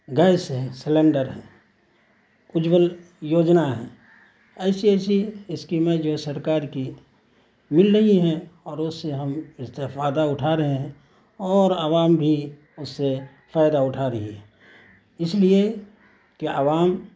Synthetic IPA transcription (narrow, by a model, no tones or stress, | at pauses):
ɡəɪsɦɛ̃sɪlẽɳɖəɾɦɛ̃ː | ʊd͡ʒwəl | joːd͡ʒnaɦɛ̃ː | ɛːsiɛːsiɪskimẽd͡ʒosəɾkaːɾki | mɪlɾəɦiɦɛ̃ɔːɾʊsːeɦəmɪst̪efaːd̪aʊʈʰaɾəɦẽɦɛ̃ | ɔːɾəʋaːmbʱi | ʊsːe | fʰaːjd̪aʊʈʰaɾəɦiɦɛ̃ː | ɪslie | keʔəʋaːm